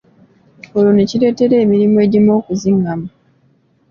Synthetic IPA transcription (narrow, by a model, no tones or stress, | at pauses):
oluneciɾe̞ːte̞ɾe̞ːmiɾimoe̞ːɟimo̞ːkuziŋɡama